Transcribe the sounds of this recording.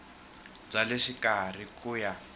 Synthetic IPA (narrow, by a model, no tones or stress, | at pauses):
b͡ʐaleʂikar̤ikuːja